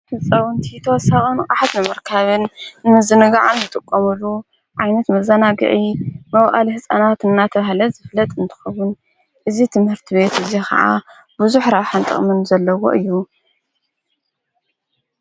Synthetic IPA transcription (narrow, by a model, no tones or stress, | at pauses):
hɨsʼɐwʊnt̪ʰit̪ʰɐwɔsaxʼɨnkʼaħat̪nɨmɐɾkʰaβɨnnɨzɨnɨɡaʕanzɨt̪ʼɨkʼːɐmulːu | ʕajnɐt̪mɐzɐnaɡɨ̰ʕimɐwʔʼa̰lihɨsʼanat̪ɨnːat̪ʰɐβahlɐzɨflɐt̪ʼɨnt̪ʰɨ̥xɐwʊn | ʔɨzit̪ʰɨmhɨɾt̪ʰiβe̞t̪ɨzikʰɐ̰ʕa̰ | buzuħɾaβħant̪ʼɨ̰χʼmɨnzɐlːɐwo̞̰ʔɨjːu